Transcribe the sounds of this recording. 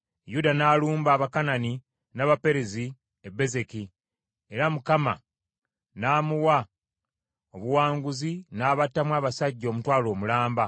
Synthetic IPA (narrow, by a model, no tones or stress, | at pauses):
judanaːluːmbaːβakanani | naːβape̞ɾezi | ebe̞ze̞ki | e̞ɾamukama̰ | naːmuwa | o̞βuwaːŋɡuzinaːβatːamwaːβasaɟːo̞ːmutwaːlo̞ːmulaːmba